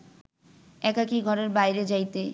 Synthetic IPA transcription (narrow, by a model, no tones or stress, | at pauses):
ɛkakiɡʱɔɾeɾbajɾed͡ʑajt̪e